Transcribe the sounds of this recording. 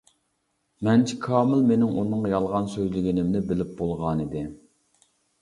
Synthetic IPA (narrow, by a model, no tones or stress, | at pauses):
mɛnt͡ʃʰikʰɑːmɨlmenɪŋʔunɨŋjɑlˠʁɑnsøjlɪɡʲinɪmnɪbɪlɪp̚bolˠʁɑnid̪ɪ